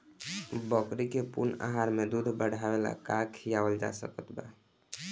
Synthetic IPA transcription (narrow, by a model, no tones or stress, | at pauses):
bəkɾikepṵna̰ɦaɾmed̪ud̪ʱbəɽʱabela̰kakʰijabəld͡ʒa̰sə̰kət̪ba̰